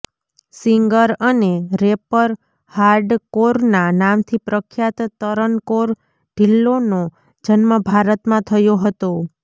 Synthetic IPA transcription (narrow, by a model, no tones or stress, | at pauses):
siŋɡəɾəneɾepəɾ | haɾɖkoɾnanamt̪ʰipɾəkʰjat̪t̪əɾənkoɾ | ɖʱilːono | d͡ʒənməbʱaɾət̪mãt̪ʰəjoɦət̪o